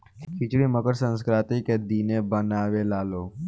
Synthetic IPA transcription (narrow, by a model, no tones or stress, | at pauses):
kʰɪt͡ʃɽiməkəɾsə̃nskɾaːt̪iked̪iːnẽbənaːwelaːloː